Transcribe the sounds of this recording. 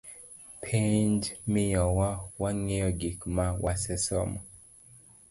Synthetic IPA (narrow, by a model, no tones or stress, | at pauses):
pʰend͡ʒmɪjɔwawaŋeɔɡikmawasɛsɔ̰mɔ